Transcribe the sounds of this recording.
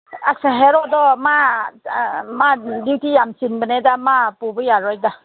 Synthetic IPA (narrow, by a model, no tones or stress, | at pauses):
aksaɦeɾɔdɔma | madiwtijamsinbənedamapubɯjaɾɔj̚da